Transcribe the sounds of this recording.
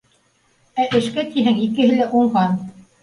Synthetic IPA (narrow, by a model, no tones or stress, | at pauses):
æʔɘ̆ʃkæt̪iɦɘŋikɘ̆ɦɘ̆læʔuɴɢɑn